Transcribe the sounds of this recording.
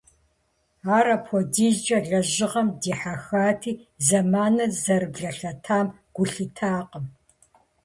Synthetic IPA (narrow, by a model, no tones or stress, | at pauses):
aːɾɐpʰɔdiːɮd͡ʒʼɐɮɐʑɪʁɐmdiːħaxaːtʰiːzɐmaːnɐzɐɾɨbɮɐɬɐtʰaːm | ɡ̥ʷʊɬɨtʰaːqəm